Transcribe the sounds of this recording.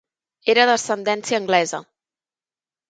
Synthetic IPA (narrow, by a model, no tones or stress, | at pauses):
eɾəðəsənd̪ɛnsiəːŋɡlɛzə̰